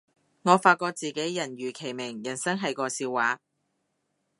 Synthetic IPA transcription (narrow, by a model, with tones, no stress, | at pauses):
ŋɔː˨˧faː˧t̚kɔː˧k̚t͡siː˨˧ke˨˥jjɐ˨˩nɥyː˨˩kʰe˨˩jmɪ˨˩ŋjɐ˨˩nsɐ˥ŋɦɐ˨jkɔː˧siː˧waː˨˥